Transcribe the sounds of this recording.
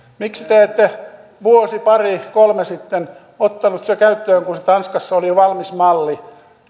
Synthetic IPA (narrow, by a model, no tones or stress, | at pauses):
miksi̥t̪eeːt̪ːe | ʋuosipɑrikolmesit̪ːen | ot̪ːɑnut̪sekæyt̪ːøːŋkuset̪ɑnskɑsːoliʋɑlmismɑlːi